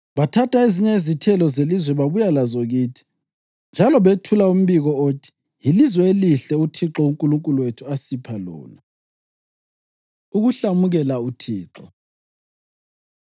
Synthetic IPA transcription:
βatʰatʰaeziɲaizitʰɛlɔzelizwɛβaβujalazɔɣiːtʰi̥ | nd͡ʒʱalɔβetʰulaum̩βiɣɔoːtʰi̥ | ilizwɛeliɬɛutʰiǁɔuŋkʼuluŋkʼuluwetʰuasipʰalɔ̰ːna | uɣuɬamuɣɛlautʰiːǁɔ

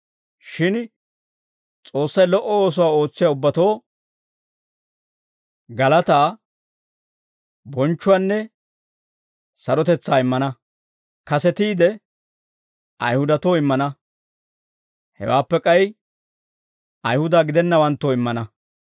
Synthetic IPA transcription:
ʃɪn | t͡sʼo̞ːsːɐjlɔʔːɔoːs̬ʊwaːo̞ːt͡sːɪjaʊbːɐt̪o̞ː | ɡɐlɐt̪aː | bɔnt͡ʃːʊwanːɛ | sɐɾɔt̪ɛt͡sːaːɪmːɐnɐ | kɐsɛt̪iːd̪ɛ | ʔɐ̰jhʊd̪ɐt̪o̞ːɪmːɐnɐ | hɛ̰waːpːɛkʼɐj | ɐjhʊd̪aːɡɪd̪ɛnːɐwɐnt̪ːoːɪmːɐnɐ

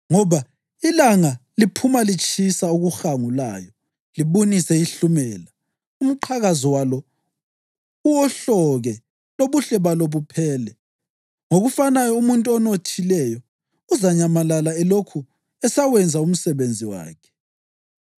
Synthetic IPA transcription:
ŋɔβa | ilaŋalipʰumalit͡ʃʼisauɣuxaŋula̰ːjɔ | liβunisɛiɬumɛːla | um̩ǃʰaɣazɔwalɔ | uwɔɬɔɣɛ | loβuɬɛβaloβupʰɛːlɛ | ŋoɣufanajɔumuntʼuɔnotʰilɛjɔː | zaɲamalalaɛlokʰu | ɛsawɛnd͡zʱaum̩sɛβend͡zʱiwa̰ːkʰɛ̥

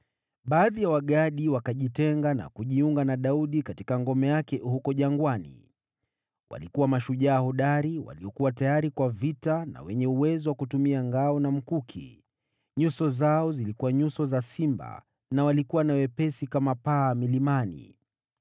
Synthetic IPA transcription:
ɓaːðijawaɠaɗiwakaʄitɛŋɡana̰kuʄiuŋɡanaɗauɗikatikaŋɡɔmɛjakɛhukɔʄaŋɡwanḭ | wʔa̰likuwamaʃuʄaːɦɔɗaɾiwa̰liɔkuwatajaɾikwavitana̰wɛɲɛuwɛzɔwakutumiaŋɡaɔnam̩kukʰḭ | ɲusɔzaɔzilikuwaɲusɔzasimba̰ | nawalikuwanawɛpɛsikamapaːmilimanḭ

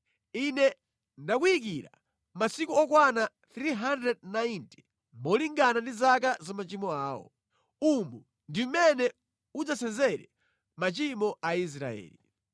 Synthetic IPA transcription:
inɛ | ndakuik̬iɾa̰ | masikuɔkwana | θɾiɦandɾɛd̚nainti̥ | mɔliŋɡanandizak̬azamat͡ʃimɔaːwɔ̰ | umu | ndiumɛnɛ | ud͡zasɛnzɛɾɛ | mat͡ʃimɔʔais̬ɾa̰ɛ̰ːli

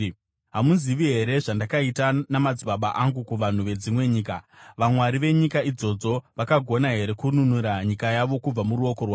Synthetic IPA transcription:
ɦamunziʋiɦe̞ɾe̞ʐandakaitanamad͡ziɓaɓaʔaŋɡukuʋan̤uʋe̞d͡zimwe̞ɲiːka | ʋamwaɾiʋe̞ɲikaid͡zo̞d͡zo̞ʋakaɡʱo̞naɦe̞ɾe̞kununuɾaɲikajaʋo̞kub͡vamuɾuo̞ko̞rwaː

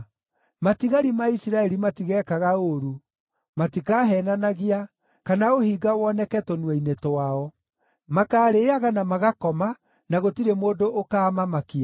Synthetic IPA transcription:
matiɣaɾimaisiɾaɛɾimatiɣɛːkaɣaoɾu | matikaːɦɛːnanaɣia | kanaohiɡawɔnɛkɛtonwɛinetoaɔ | makaːɾeaɣanamaɣakɔma | naɣotiɾemoːdoʔokaːmamakia

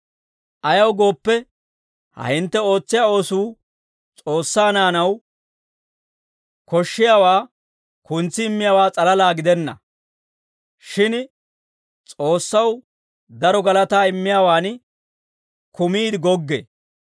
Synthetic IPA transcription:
ʔɐjɐwɡo̞ːpːɛ | hɐ̰hɪnt̪ːɛo̞ːt͡sːɪjaːo̞ːsuː | t͡sʼo̞ːsːaːnaːnɐw | kɔʃːɪjaːwaː | kʊnt͡sːɪɪmːɪjaːwaːt͡sʼɐlɐlaːɡɪd̪ɛnːɐ̰ | ʃɪn | t͡sʼo̞ːsːɐw | d̪ɐɾɔɡɐlɐt̪aːɪmːɪjaːwaːn | kʊmiːd̪ɪɡɔɡːḛː

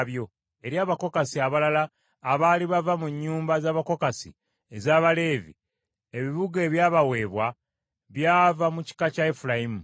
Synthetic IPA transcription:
βjo̞ | e̞ɾjaːβako̞kasiaβalalaː | βaːliβavamuɲːuːmbazaːβako̞kasḭ | ezaːβale̞ːvḭ | e̞βiβuɡe̞ːβjaːβawe̞ːβwa | βjaːvamuci̥kacaefulaimu

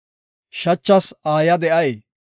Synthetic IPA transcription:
ʃɐt͡ʃːɐsaːjɐd̪ɛʔɐj

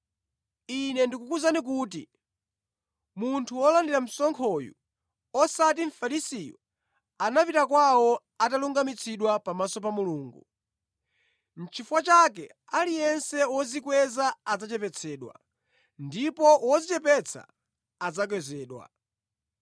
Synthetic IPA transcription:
inɛndikukuzanik̬uːt̬ḭ | muntʰuwɔlandiɾam̩sɔŋkʰɔjṵ | ɔsat̬iɱ̩faɾisijɔ | anapitakwawɔ | ataluŋɡamit͡sʰiɗwapamasɔpamuluːŋɡu | m̩t͡ʃʰifuwat͡ʃakɛ̰ | alijɛnsɛwɔzikwɛzaːd͡zat͡ʃɛpɛt͡sʰɛːɗwa̰ | ndipɔwɔzit͡ʃɛpɛt͡sʰa̰ː | d͡zak̬wɛzɛːɗwa̰

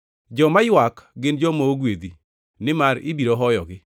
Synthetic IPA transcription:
d͡ʒɔmajwakɡɪnd͡ʒɔmooɡwed̪i | nɪmaɾɪ̰biɾoɦɔjɔɡɪ

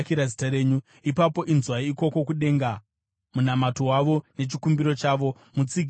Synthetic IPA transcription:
kiɾazitaɾe̞ːɲu | ipapo̞ʔinzwaiko̞ko̞kuɗe̞ːŋɡa | munamato̞ɦwaʋo̞ne̞t͡ʃikumbiɾo̞t͡ʃaːʋo̞ | mut͡siɡ

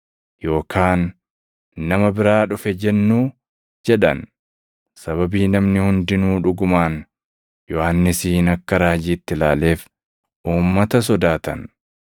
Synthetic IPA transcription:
jo̞ːkʰaːnː | ɐmɐbɪɾaːᶑʊfɛd͡ʒɛnːuː | d͡ʒɛᶑɐ̰n | sɐβɐbiːnɐmnɪhʊnd̪ɪnuːᶑʊɡʊmaːn | jɔhɐnːɪsiːnɐkːɐɾaːd͡ʒiːt̪ːɪlaːle̞ːf | ʔuːmːɐt̪ɐs̬ɔd̪aːt̪ɐn

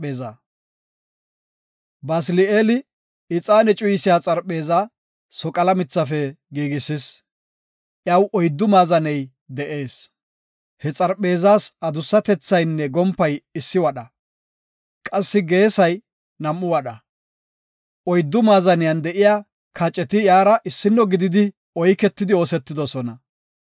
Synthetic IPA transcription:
eːza | bɐslɪeːlɪ | ɪt͡sʼaːnɛt͡ʃʼʊjɪsɪjaːt͡sʼɐɾpʼːe̞ːzaː | sɔkʼɐlɐmɪt͡sːɐfɛɡiːɡɪsːɪs | ʔjɐwʔɔjd̪ːʊmaːzɐnɛj | d̪ɛʔeːs | hɛt͡sʼɐɾpʼːe̞ːzaːsɐd̪ʊsːɐt̪ɛt͡sːɐjnːɛɡɔmpːɐjɪsːɪwɐɗɐ | kʼɐsːɪɡe̞ːsɐj | nɐmːʊwɐɗɐ | ɔjd̪ːʊmaːzɐnɪjɐnd̪ɛʔɪjaː | kɐt͡ʃʼːɛt̪ɪjaːɾɐʔɪsːɪnːɔɡɪd̪ɪd̪ɪ | ɔjkɛt̪ːɪd̪ɪo̞ːsɛt̪ːɪd̪ɔsɔnɐ

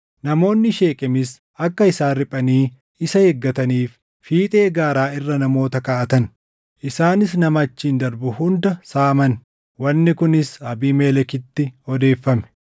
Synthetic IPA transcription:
nɐmo̞ːnːɪʃe̞ːkʼɛmɪs | ʔɐkːɐɪsaːnɾɪpʼɐniː | ɪsɐhɛɡːɐt̪ɐniːf | fiːt̪ʼe̞ːɡaːɾaːɪrːɐnɐmo̞ːt̪ɐkaːʔɐt̪ɐn | ʔɪsaːnɪs̬nɐmɐt͡ʃːiːnd̪ɐɾbʊhʊnd̪ɐsaːmɐn | wɐnːɪkʊnɪsɐbiːmeːlɛkɪt̪ːɪɔd̪e̞ːfːɐmɛ̥

